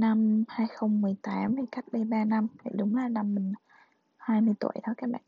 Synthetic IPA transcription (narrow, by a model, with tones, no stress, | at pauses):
na˧mhaː˧jxə˧wŋ͡mmɨ˨˩əjt̪aː˨˦mt̪ʰi˨˩ka˦˥jk̚ɓaː˧ɓaː˧na˧mva̰˧˨˩jɗʊ˨˦ŋ͡mlaː˨˩na˧mːï˨˩ŋ˨˦ | haː˧jmɨ˧əjt̪ṵ˧˩əjt̪ʰɔ˨˦jkaː˦˥k̚ɓa̰ː˧˨